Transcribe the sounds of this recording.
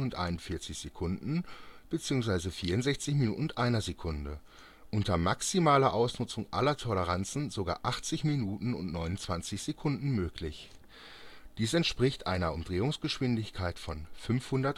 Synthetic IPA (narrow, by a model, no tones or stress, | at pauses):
ʊntʔa̰ɪnʊnfɪɐt͡sɪçz̥ekʰʊndn̩b̥ət͡siːʊŋs̬v̥aɪzəfiːɐʊntz̥ɛçt͡sɪçminṵːʔn̩ʔaɪnɐzekʰʊndə | ʔʊntɐmaksimaːlɐʔaʊsnʊt͡sʊŋʔa̰lɐtʰɔləʁ̞ant͡sn̩zoɡa̰ːʔaχt͡sɪçminuːtn̩ʊ̰ntnɔʏnʊnt͡sv̥ant͡sɪçz̥ekʰʊndn̩møːklɪç | d̥iːsɛntʃpʁ̥ɪçtʔa̰ɪnɐʊmdʁeːʊŋsɡ̥əʃv̥ɪndɪçkʰaɪtfɔnfʏnfhʊndɐt